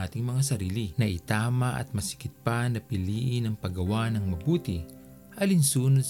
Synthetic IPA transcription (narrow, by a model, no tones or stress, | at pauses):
aːt̪ɪŋmɐŋasɐɾiːlɪnɐʔɪt̪aːmɐʔɐ̰t̪̚mɐsɪ̥kɪt̪̚panɐpɪliːʔɪnɐŋpɐɡɐwanɐŋmɐbuːt̪ɪ | ʔɐlɪnsuːnod̪̚